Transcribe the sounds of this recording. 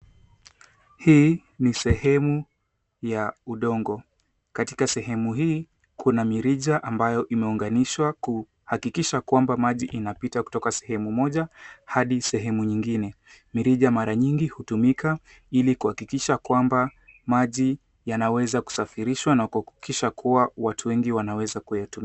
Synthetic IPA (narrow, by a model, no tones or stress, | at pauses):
hiː | nisɛhɛmu | jauɗɔŋɡɔ | kati̥kasɛɦɛmuɦiː | kʰunamiɾiʄaʔambajɔʔimɛuŋɡaniʃwaku | hakikiʃakwambamaʄiʔinapitaku̥tɔkasɛ̥hɛmumɔʄahaɗisɛɦɛmuɲiŋɡinɛ | miɾiʄamaɾaɲiŋɡihutumikʰa | ilikuhakikiʃakwambamaʄi | janawɛzaku̥safiɾiʃwanakuakikiʃakʰuwawatʰuwɛŋɡiwanawɛzakujatum